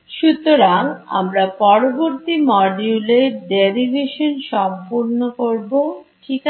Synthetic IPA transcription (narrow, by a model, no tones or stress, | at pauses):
ʃut̪oɾaŋa̰mɾapɔɾoboɾt̪imɔɖuleɾʈ̚ɖeɾibʱeʃonʃɔmpuɾnokoɾboʈʰik